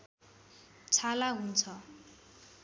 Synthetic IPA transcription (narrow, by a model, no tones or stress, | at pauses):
t͡sʰalaɦunt͡sʰʌ